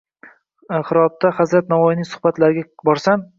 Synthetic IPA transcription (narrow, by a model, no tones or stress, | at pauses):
χɨɾɒb̚t̪ʰahazɾat̪̚navɒjɪnɪŋsʊ̥χbat̪laɾɪɡʲabɒɾsam